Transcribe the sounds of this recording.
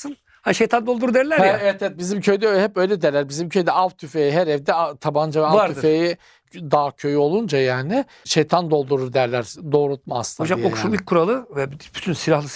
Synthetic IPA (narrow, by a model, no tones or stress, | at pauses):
ɯn | haʃejt̪ʰand̪olˠd̪uɾud̪ɛɾlʲæɾhjɛɛvɛt̪ɛɛt̪̚bizimcʰøjd̪ɛɦɛpø̞jlʲɛd̪ɛlʲæɾbizimcʰøjd̪ɛavt̪ʰyfejiɦɛɾɛvd̪ɛt̪ʰaband͡ʒavɛaaɾyfeji | d̪aːcʰø̞jyo̞lˠund͡ʒajaːnɪ | ʃejt̪ʰand̪o̞lˠd̪uɾuɾd̪æɾlʲæɾd̪o̞ːɾut̪̚maːsˠnod͡ʒamokʃumilʲc̚ʲkʰuɾalˠɯvɛbb̥y̥t̪ʰynsilʲahlˠɯ